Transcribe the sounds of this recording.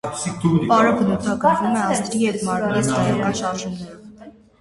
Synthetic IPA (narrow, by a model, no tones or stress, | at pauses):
pɑɾəbənut̪ʰɑɡəɾvumɛɑzt̪ɾihɛt̪ʰmɑɾɾɛɾishɑjɑkɑnʃɑɾʒumnɛɾv